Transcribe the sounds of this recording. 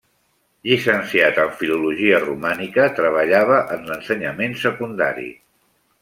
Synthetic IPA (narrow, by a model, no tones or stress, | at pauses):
ʎisənsiat̪əɱfiluluʒiərumanikət̪ɾəβ̞əʎaβ̞əʔənlənsəɲəmensəkund̪a̰ɾḭ